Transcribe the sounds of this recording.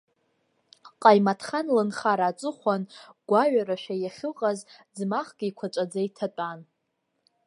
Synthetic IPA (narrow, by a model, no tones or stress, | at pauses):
qʼajmatʰχanlɨnχaɾaːt͡sʼɨχʷanɡ̥ʷaɥaɾaʃᶣajaχʲɪqʼazd͡zmaχɡ̥ʲiikʷʰat͡ʃʷʼad͡zaitʰat͡pʼan